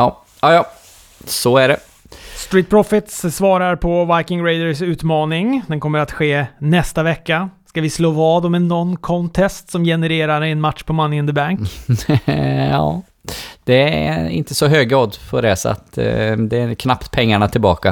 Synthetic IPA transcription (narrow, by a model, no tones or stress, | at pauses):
ɑː | ɑːjɑː | sɔæɖɛ | st̪ɾiːt̪̚pʰɾɔfɪt̪ssvɑːɾaɾpʰɔvaɪkɪŋɾɛɪd̪əsʉ̟ːt̪mɑːnɪŋd̪ɛnkʰɔmːəɾat̪ɧeːnɛst̪avɛkːaskavɪsloːvɑːd̪ɔmɛnːɔnːkʰɔnt̪ʰɛst̪sɔmjɛnəɾeːɾaɾɪɛnmat̪ʂpʰɔmanːɪənd̪əbaŋk | ɑ̰ː | d̪̥ɛɪ̰nt̪əsɔɦøːɡɾɑːd̪fɔɾɛːsa̰t̪d̪ɛːɾkʰnapt̪pʰɛŋːaɳat̪ʰɪlbɑ̰ːka̰